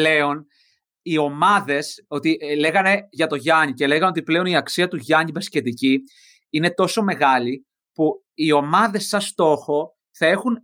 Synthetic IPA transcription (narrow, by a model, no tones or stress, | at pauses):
le̞o̞n | io̞mɐðe̞so̞t̪ile̞ɣɐne̞ʝɐt̪o̞ʝɐɲice̞le̞ɣɐno̞t̪iple̞o̞niɐksiɐt̪uʝɐɲibesce̞t̪ici | ine̞t̪o̞so̞me̞ɣɐli | pu | io̞mɐðe̞sːɐst̪o̞xo̞ | θɐe̞xun